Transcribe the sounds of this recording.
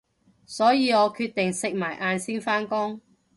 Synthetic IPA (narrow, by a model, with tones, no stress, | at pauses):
sɔː˨˥jiː˨˧ɔː˨˧kʰyː˧t̚t̪ɪ˨ŋsɪ˨k̚maː˨˩jʔaː˧nsiː˥nfaː˥nkʊ˥ŋ